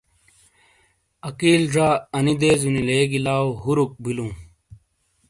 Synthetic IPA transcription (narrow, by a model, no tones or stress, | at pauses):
ɐkiːlʐaːɐnid̪eːzunileːɡilaːwɦuɾuk̚bilũː